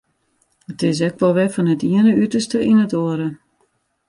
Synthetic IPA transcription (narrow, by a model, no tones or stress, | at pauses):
ətɪs̬ɛkʋɔlˠʋɛfɔnətiənəytərstəʔinətoəɾə